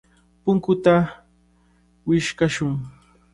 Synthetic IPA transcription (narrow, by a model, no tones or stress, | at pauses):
pʊŋkʊt̪a | wɪʃkaʃʊŋ